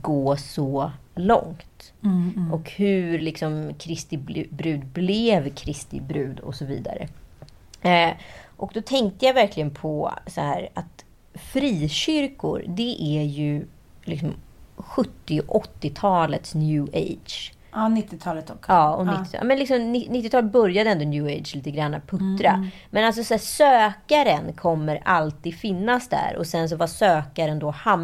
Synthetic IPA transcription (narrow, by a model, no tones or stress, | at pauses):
ɡoːsɔlɔ̰ŋt̪ | ʔɔkhɵɾlɪksɔmkʰɾɪst̪ɪb̪bɾʉ̟ːd̪blɛvkʰɾɪst̪ɪ̰bɾʉ̟ːd̪ɔ̰sɔvḭːd̪a̰ɾə̰ | ʔɔk̚d̪ɔt̪ʰɛŋk̚t̪əjavæɾklɪɡənpʰɔsɔhæːɾa̰t̪ | fɾiːɕʏɾkʊ̰ɾd̪ɛʔæjɵ | lɪ̰ksɔmɧɵt̪ːɪʔɔt̪ːɪt̪ʰɑːlət̪snjʉːʔḛjd̪ʂ | nɪt̪ːɪt̪ʰɑːlət̪ɔkɑːɔnɪt̪ːɪt̪ʰɑ̰mɛnlɪksɔmnɪnɪt̪ːɪt̪ʰɑːlt̪̚bœɾjad̪əɛɛnd̪ɔnjʉːejd̪ʂliːt̪əɡɾanːapʰɵt̪ːɾamɛnals̬ɔsæːsøːkaɾənkʰɔmːəɾalt̪ʰiːd̪fɪnːasd̪æ̰ɾɔ̰sɛns̬ɔvasøːkaɾənd̪ɔham